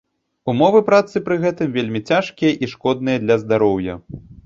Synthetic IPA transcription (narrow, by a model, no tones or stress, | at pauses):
umɔvɨpɾat̪sɨpɾɨɣɛt̪ɨmvʲelʲmʲit͡sʲaʂkʲijɐʔiʂkɔd̪nɨjɐd̪lʲɐzd̪aɾɔwjɐ̰